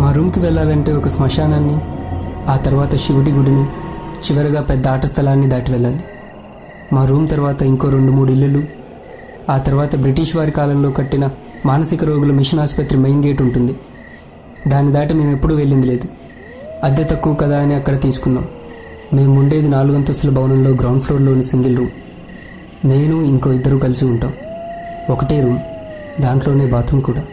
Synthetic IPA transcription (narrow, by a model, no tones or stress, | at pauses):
maːɾuːmkiʋɛɭːaːlɐɳʈe̞ːɔkɐsmɐʂaːnaːnːi | aːt̪ɐɾuʋaːt̪ɐʃiʋɐʈ̬iɡuɽinit͡ʃiʋɐɾɐɡaːpɛd̪ːɐaːʈɐst̪ʰɐlaːnːid̪aːʈiʋɛɭːaːli | maːɾuːmt̪ɐɾuʋaːt̪ɐiŋko̞ːɾe̞ɳɖumuːɽuilːɐlu | aːt̪ɐɾuʋaːt̪ɐbɾiʈiːʂʋaːɾikaːlɐmlo̞ːkɐʈːinɐ | maːnɐsikɐɾo̞ːɡulɐmiʂɐnaːspɐt̪ɾimejnɡe̞ːʈuɳʈund̪i | d̪aːnid̪aːʈime̞ːme̞pːuɽuːʋe̞ɭːind̪ile̞ːd̪u | ɐd̪ɐt̪ɐkːuːkɐd̪aːɐniɐkːɐɽɐt̪iːsu̥kunːa̰ːm | me̞ːmːuɳɖe̞ːd̪inaːluɡɐnt̪ɐst̪lɐbʱɐwnɐnlo̞ːɡɾɐwɳɖpʰlo̞ːɾlo̞ːnisiŋɡilɾuːm | ne̞ːnuiŋko̞ːid̪ːɐɾuːkɐlisiuɳʈaːm | ɔkɐʈe̞ːɾuːm | d̪aːɳʈlo̞ːne̞ːbaːt̪ʰɐmkuːɽaː